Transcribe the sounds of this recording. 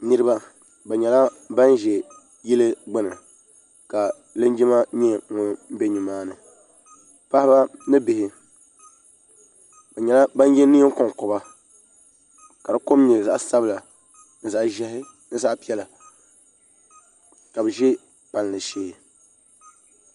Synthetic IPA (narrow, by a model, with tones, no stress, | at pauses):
nɨ˦ɾɨ˦ba˦ | ba˨ɲɛ˨la˦ | ba˦n˦ʒɛ˨ | ji˦lɨ˦ɡ͡bɪ˦nɨ˨ | ka˨ | lɨ˦n˦d͡ʒi˦ma˦ɲɛ˦ŋʊ˨m̩˦be˦ɲi˨maː˦nɨ˨ | pa˦hɪ˦ba˦nɨ˦bɪ˨hɪ˨ | ba˨ɲɛ˨la˦ba˦n˦jɛ˦ni˦ko˨ŋkɔ˨ba˦ | ka˨dɨ˨ko˦m˦ɲɛ˨za˨ʔsa˦bɨ˦la˨ | n̩˦za˨ʔʒɛ˦hɪ˦ | n̩˦za˦ʔpi˦ɛ˦la˨ | ka˨bɨ˨ʒɛ˦ | pa˨n˨lɨ˨ʃeː˦˨